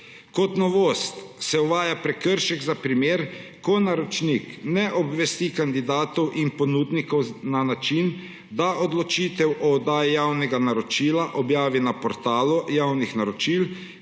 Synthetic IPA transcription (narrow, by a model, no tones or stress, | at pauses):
kɔt̪nɔʋoːst̪sɛuʋaːjapɾɛkəɾʃɛɡzapɾimeːɾkɔnaɾɔt͡ʃniknɛʔɔbʋɛst̪ikand̪id̪aːt̪ɔwʔinpɔnud̪nikɔwnanat͡ʃin | d̪aʔɔd̪lɔt͡ʃit̪ɛwʔɔːd̪aːjijawnɛɡanaɾɔt͡ʃiːlaʔɔbjaːʋinapɔɾt̪aːlujawnixnaɾɔt͡ʃil